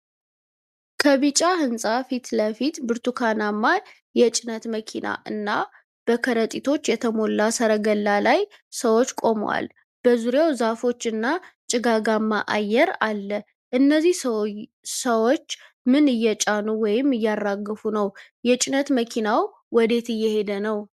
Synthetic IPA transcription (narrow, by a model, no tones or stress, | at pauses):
kʰəβit͡ʃʼahɨnsʼafit̪ləfit̪bɨɾt̪ʰukʰanamːa | jɛt͡ʃʼɪnət̪məkʰina̰ʔɨnːa | b̥əkʰəɾət̪ʼit̪ʰo̞t͡ʃːjɛt̪ʰəmo̞lːasəɾəɡəlːalajsəwo̞t͡ʃːkʼo̞m̰wa̰l | b̥əzuɾjawzafo̞t͡ʃːɨnːat͡ʃʼɪɡaɡamːaʔa̰jːɛɾalːə | ʔɨnːəzːih | səwo̞t͡ʃː | mɨnɨjːɛt͡ʃʼanuwɔjɪmːɨjːarːaɡɨfunəwjɛt͡ʃʼɪnət̪məkʰinaw | wɔd̪e̞t̪ɨjːɛhe̞d̪ənəw